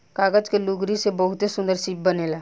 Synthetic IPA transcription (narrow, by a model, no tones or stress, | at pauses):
kaːɡəd͡ʒkeluɡɾisebəɦʊt̪esʊ̃nd̪əɾsiːp̚bəneːlaː